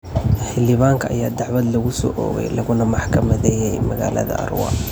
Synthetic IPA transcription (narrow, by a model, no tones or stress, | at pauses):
ħɪlɪβaːŋkʰɐʔɐjaːd̪ɑʕwɐd̪lɐɣʊsɔ̰ːʔɔːɣɛ̰jlɐɣʊnɐmɑħkʰɐmɐðɛjɛjmɐɣa̰ːlɐ̰ðɐ̰ʔɐ̰rwɑ̰